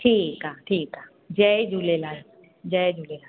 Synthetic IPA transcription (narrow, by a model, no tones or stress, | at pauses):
ʈʰiːkaːʈʰiːka | d͡ʒɛd͡ʒʱulelaː | d͡ʒɛːd͡ʒulelaː